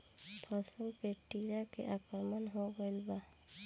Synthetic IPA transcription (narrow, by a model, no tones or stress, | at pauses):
pʰɔsəŋpeʈiɾakḛʔapəɾmanɦoɡɔjlba